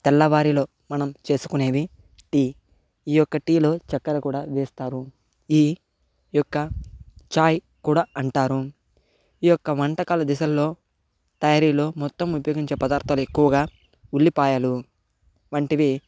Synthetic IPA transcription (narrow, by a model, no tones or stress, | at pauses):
t̪ɛlːɐʋaːɾilo̞ː | mɐnɐmt͡ʃe̞ːsu̥kune̞ːʋi | ʈiː | iːjɔkːɐʈiːlo̞ːt͡ʃɐkːɐɾɐkuːɽaːʋeːst̪aːɾu | iː | jɔkːɐt͡ʃaːj | kuːɽaːʔɐɳʈaːɾu | iːjɔkːɐʋɐɳʈɐkaːlɐd̪isɐlːo̞ː | t̪ɐjaːɾiːlo̞ːmɔt̪ːɐmupɐjoːɡiɲt͡ʃeːpɐd̪aːɾt̪ʰɐluekːuʋɐɡaː | ulːipaːjɐlu | ʋɐɳʈiʋi